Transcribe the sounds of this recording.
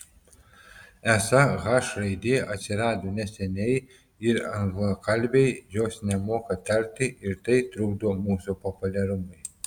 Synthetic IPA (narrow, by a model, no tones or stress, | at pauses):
ɛsɐɣɑʃɾɐɪd̪ʲɪʔɐt̪ʲsʲɪɾɑːd̪oːnʲɛsʲɛnʲɛɪ | ɪɾɐŋɡlˠokɐlʲbʲɛɪjoːsnʲɛmoːkɐt̪ʲɐɾʲt̪ʲɪʔɪɾt̪ɐɪt̪ɾʊɡd̪oːmuːsupɔpʊlʲɛɾʊmɐɪ